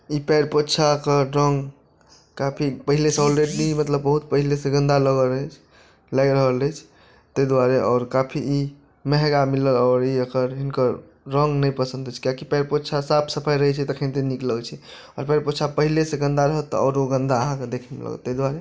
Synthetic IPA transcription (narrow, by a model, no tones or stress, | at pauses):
ipɛɾpotːt͡ʃʰakəɾəŋɡ | kapʰipəɦilesẽɔlɾeɖinimət̪ləbːəɦut̪̚pəɦilesẽɡə̃nd̪aləɡəɾt͡ʃʰ | laɡɾəɦələt͡ʃʰ | t̪əjd̪waɾeʔɔːɾkapʰiʔi | mɛɦɡamiləlɔʊɾiəkəɾɦinkəɾ | ɾəŋɡnəjpəsə̃nd̪ɛt͡ʃʰkijakipɛɾpotːt͡ʃʰasapʰsəpʰajɾəɦɛt͡ʃʰɛt̪əkʰent̪enikləwt͡ʃʰɛ | ɔɾpɛɾpotːt͡ʃʰapəɦilesẽɡə̃nd̪aɾəɦət̪ːɔ̰ɔ̰ːɾoɡə̃nd̪aəɦãked̪ekʰɛmḛlə̰ɡə̰t̪ːəd̪waɾe